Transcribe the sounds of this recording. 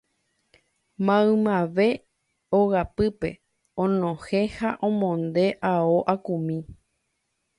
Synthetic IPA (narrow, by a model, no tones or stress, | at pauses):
mãɨ̃mãʋe̞ | oɣapɨpe̞ | õnõhẽhaʔõmõnd̪e̞ʔaoʔakũmĩ